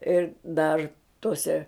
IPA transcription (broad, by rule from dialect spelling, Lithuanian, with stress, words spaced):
ɪr ˈdɐr toːˈsʲɛ